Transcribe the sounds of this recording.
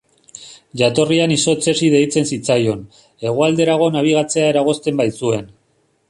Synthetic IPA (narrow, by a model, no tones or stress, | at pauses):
ʝat̪o̞rianiso̞t͡se̞sið̞e̞jt͡se̞nsit͡sajo̞n | e̞ɣ̞uald̪e̞ɾaɣ̞o̞naβ̞iɣ̞at͡se̞ae̞ɾaɣ̞o̞st̪e̞mbajsue̞n